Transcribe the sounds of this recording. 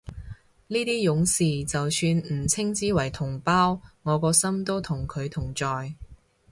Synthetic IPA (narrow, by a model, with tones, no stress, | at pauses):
niː˥t̪iː˥jʊ˨˧˥ŋsiː˨˩t͡sɐ˨wsyː˧nm̩˨˩t͡sʰɪ˥ŋt͡siː˨˥wɐ˨˩jt̪ʰʊ˨˩ŋpaː˥wŋɔː˨˧kɔː˧sɐ˥mt̪o˥wt̪ʰʊ˨˩ŋkʰɵ˨˧ɥt̪ʰʊ˨˩ŋt͡ʃɔː˨j